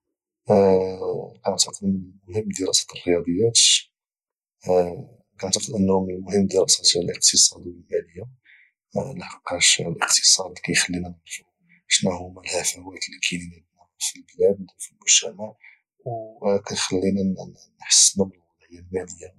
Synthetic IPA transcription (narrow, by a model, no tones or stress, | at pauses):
kʕt̪ɑqəd̪mʊhəmːd̪əɾɑsæ̥t̪ərːəjɑd̪ˤəjːæt̪ | kɑʕt̪ɑqəd̪ʔənːhmənmʊhəmːd̪əɾɑsæt̪əlʔəq̚t̪əsˤɑd̪wəlmæləjːa | lħəqːɑʃlʔəqt̪ə̥sˤɑd̪kæjxəlːinænənfu | ʃnæhumælhæfæwæt̪lːikʰininæb̪næfilblæd̪filmʊʒ̥t̪æmaʕ | wkæt̪xəlːinæ | nħə̥sːnæməlwɑlˤɑjalmæləjːa